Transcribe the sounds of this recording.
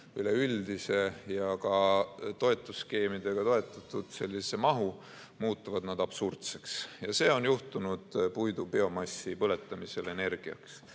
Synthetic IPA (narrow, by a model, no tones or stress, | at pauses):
yleyld̪ise̞jɑkɑt̪o̞e̞t̪ːˑusːke̞ːmid̪̥e̞ɡ̥ɑt̪o̞e̞t̪ˑːɑt̪ːˑud̪̥se̞lʲːise̞mɑɦu | muːt̪ˑːuvɑd̪nɑd̪ɑb̥surt̪se̞̥ksjɑse̞ːo̞njuht̪unud̪̥pujd̪upeo̞mɑsːipɤle̞t̪ːˑɑmise̞le̞ne̞rɡ̥iɑ̰ks